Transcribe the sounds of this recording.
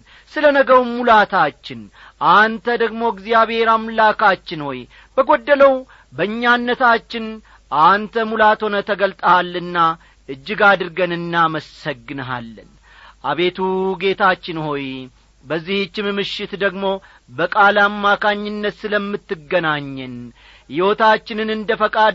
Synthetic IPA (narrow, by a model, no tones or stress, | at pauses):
sɨlənəɡəwumulat̪ʰat͡ʃːɪn | ʔant̪ʰəd̪əɡmo̞ɡzijaβhe̞ɾamlakat͡ʃːɪnho̞j | b̥əɡo̞d̪ːələw | bəɨɲːanːət̪ʰat͡ʃːɪn | ʔant̪ʰəmulat̪ho̞nət̪ʰəɡəlt̪ʼəhalːɨnːa | ʔɨd͡ʒːɪɡad̪ɨɾɡənɨnːaməsəɡːɨnəɦa̰lːən | ʔaβe̞t̪ʰuɡe̞t̪at͡ʃːɪnho̞j | bəzːiht͡ʃːɪmɨmɨʃɪt̪d̪əɡmo̞ | bəkʼalamːakaɲːɪnːət̪sɨləmːɨt̪ːɨɡːənaɲːɛn | jɪwo̞t̪at͡ʃːɪnɨnɨnd̪əfəkʼad̪